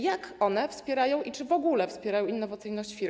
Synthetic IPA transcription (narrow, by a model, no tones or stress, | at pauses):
jakɔnɛfspʲjɛɾajɔ̃w̃ʔit͡ʂɘvɔɡulɛfspʲjɛɾajɔ̃winːɔvat̪sɘjnɔɕt͡ɕfʲiɾ